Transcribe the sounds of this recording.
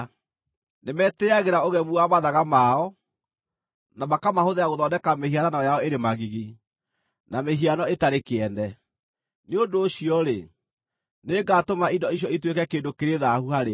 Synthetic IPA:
nemɛtɛaɣeɾaoɣɛmuamaðaɣamaɔ | namakamahoðeaɣoðɔnɛkamehiananɔjaɔeɾemaɣiɣi | nameɦianɔetaɾekeɛndɛ | neondoːɕiɔɾe | neːŋɡaːtomaindɔiɕ̬jɔitwekɛkeːndokeɾeðahuhaɾe

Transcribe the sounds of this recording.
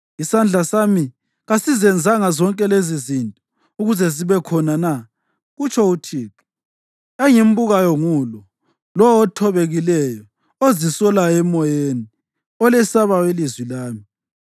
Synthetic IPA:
isand͡ɮʱasami | ɣasizɛnd͡zʱaŋazɔŋkʼɛlezizintʼɔ | uɣuzɛziβɛkʰɔnana | ɣut͡ʃʰɔutʰiːkɛ̥ | eŋim̩buɣajɔŋulɔ | lɔɔtʰɔβeɣilɛjɔ | ozisɔlaɛmɔjeni | ɔlɛsaβawilizwilaːmi

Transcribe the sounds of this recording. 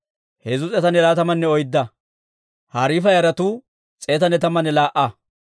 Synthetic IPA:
hɛzʊt͡sʼɛt̪ɐnɛlaːt̪ɐmɐnːɛɔjd̪ːɐ | haːɾiːfɐjɐɾɐt̪uː | t͡sʼe̞ːt̪ɐnɛt̪ɐmɐnɛlaːʔɐ

